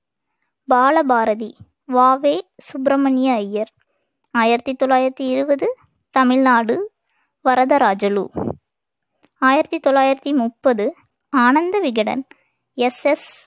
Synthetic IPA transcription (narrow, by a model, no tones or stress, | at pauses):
baːlɐbaːɾɐði | ʋaːʋeːsʊbɾɐmɐnɪjɐɐjːɐɾ | aːjɪɾɐt̪ːit̪ːɔɭːaːjɪɾɐt̪ːiɪɾɯbɐðɯ | t̪ɐmɪɻnaːɽɯ | ʋɐɾɐðɐɾaːd͡ʒɐlṵː | aːjɪɾɐt̪ːit̪ːɔɭːaːjɪɾɐt̪ːimʊpːɐðɯ | aːnɐnd̪ɐʋɪɣɐɽɐ̰n | ɛsɛs